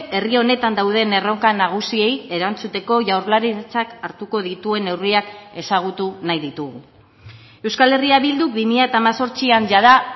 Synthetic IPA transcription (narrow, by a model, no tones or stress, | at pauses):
e̞rio̞ne̞t̪and̪awð̞e̞ne̞ro̞ŋkanaɣ̞usie̞je̞ɾant͡sut̪e̞ko̞ʝawɾlaɾit͡sakaɾt̪uko̞ð̞it̪ue̞ne̞wriake̞saɣ̞ut̪unajðit̪uɣu | e̞wskale̞riaβild̪uk̚bimiʎaet̪aːmaso̞ɾt͡sianʝaða